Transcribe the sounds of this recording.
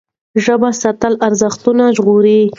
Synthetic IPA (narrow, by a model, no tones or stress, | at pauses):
ʒəbasat̪əlaɾzəxt̪unaʒɣoɾe